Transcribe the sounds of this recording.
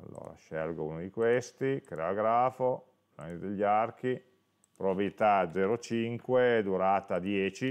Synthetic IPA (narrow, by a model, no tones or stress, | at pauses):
a̰lːo̰ːɾa̰ʃɛ̰lɡoṵːnod̪ikwest̪ikɾeoɡɾaːfo | pla̰nid̪eʎːark̟i | pɾobabilit̪ad̪zɛɾot͡ʃiŋkwed̪uɾaːt̪ad̪jɛːt͡ʃi